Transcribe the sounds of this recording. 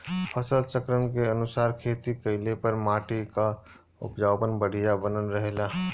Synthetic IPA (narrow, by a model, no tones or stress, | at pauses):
pʰəsəlt͡ʃəkɾənkeənʊsaːɾkʰeːt̪ikəɪlepəɾmaːʈika | ʊ̰pd͡ʒaːwpənbəɽ̤ijabənənɾəɦela